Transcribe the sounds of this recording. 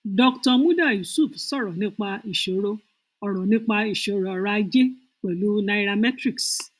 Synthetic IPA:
dɔ˧ktɔ˧mũ˦da˦˨ju˨su˦˨fsɔ˦˨ɾɔ˨nĩ˦k͡pa˧i˨ʃo˨˦ɾo˦ | ɔ˧ɾ̃ɔ̃˨nĩ˦k͡pa˧i˨ʃe˨˦ɾo˧ɔ˧ɾa˦d͡ʒe˦ | k͡pɛ˨lu˨˦na˧i˦ɾa˧mɛ˦tɾi˦˨ks

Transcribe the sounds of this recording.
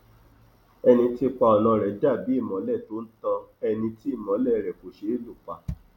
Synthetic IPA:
ɛ˧nĩ˧ti˦k͡pa˧ɔ˨nã˧˨ɾɛ˨da˦˨bi˨˦i˦˨mɔ̃˨˦lɛ˦˨to˨˦n̩˦tã˧ɛ˧nĩ˧ti˦i˦˨mɔ̃˨˦lɛ˦˨ɾɛ˨ko˨ʃe˨˦lu˦˨k͡pa˨

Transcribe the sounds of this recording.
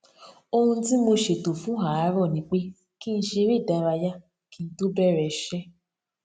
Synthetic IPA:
o˦ɦũ˧˦ti˦mo˧ʃe˨to˨fũ˨˦ɦa˨a˨˦ɾɔ˦˨nĩ˧k͡pe˦ | ki˦n̩˨˦ʃe˧ɾi˦˨da˧ɾa˧ja˦ | ki˦n̩˦tu˦bɛ˦˨ɾɛ˨˦ʃɛ˦

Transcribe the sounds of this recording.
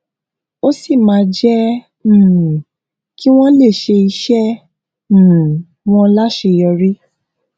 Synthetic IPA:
o˦si˦˨mãː˨˦d͡ʒɛ̃˦˨ | ki˦w̃ɔ̃˦le˦˨ʃe˧i˧ʃɛ̃˦˨ | w̃ɔ̃˦la˦ʃe˧jɔ˧ɾi˦

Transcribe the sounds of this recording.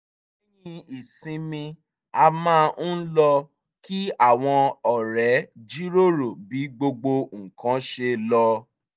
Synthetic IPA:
i˦jĩ˧i˨sĩ˧mĩ˧ | a˧mãː˦n̩˦lɔ˧ | ki˦a˦˨w̃ɔ̃˧ɔ˨ɾɛ˨˦d͡ʒi˦ɾo˦ɾo˨bi˨˦ɡ͡bo˧ɡ͡bo˧ŋ̩˨kã˨˦ʃe˧lɔ˧

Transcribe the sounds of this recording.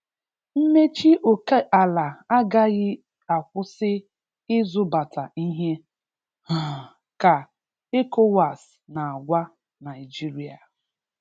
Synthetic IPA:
m̩˦me˦t͡ʃi˦ʔo˨ke˦ʔa˨la˨a˦ɡa˦ɣɪ˦ | a˨kʷʊ˦sɪ˦ | ɪ˦zʊ˦ba˨ta˨i˦ɦe˦ | a˨ | ka˨ | e˦ko˦wa˨s | na˨a˨ɡʷa˦ | na˨ɪ˨d͡ʒi˦ɾi˨a̰˨

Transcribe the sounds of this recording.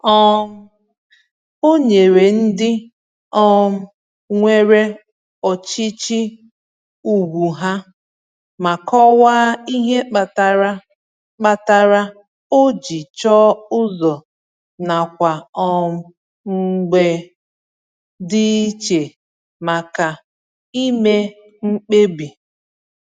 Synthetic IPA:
ɔ˦m̩˦ | o˦ɲe˨ɾe˨n̩˦dɪ˦ | ɔ˦m̩˦ | ŋʷe˦ɾe˦ | ɔ˨t͡ʃi˦t͡ʃi˦ | u˨ɡu˨ɦa˦ | ma˨kɔ˦wa˦i˦ɦe˦a˨tɾ | k͡pa˨ta˦ɾa˦ | o˦d͡ʒi˨t͡ʃɔː˦ʊ˦zɔ˨ | na˨kʷa˨ɔ˦ | ŋ͡m̩˦ɡ͡be˨ | dɪ˦t͡ʃe˨ | ma˨ka˨ | i˦me˦ | ŋ͡m̩˦k͡pe˦bi˨

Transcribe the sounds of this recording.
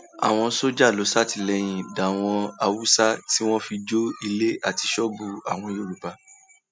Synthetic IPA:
a̰˨w̃ɔ̃˧so˦d͡ʒa˦˨lo˨˦sa˦ti˦˨lɛ˧˦j̃ĩ˨da˨w̃ɔ̃˧a˧wu˦sa˦ti˦w̃ɔ̃˦fi˧d͡ʒo˦i˧le˦a˦˨ti˧ʃɔ˦bu˧a˨w̃ɔ̃˧jo˦˨ɾu˨pa˧

